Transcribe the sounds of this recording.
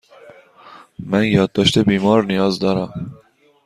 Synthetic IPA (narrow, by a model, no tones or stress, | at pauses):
mænjɒːd̪ːɒːʃt̪ʰebiːmɒːɾnijɒːzd̪ɒːɾæm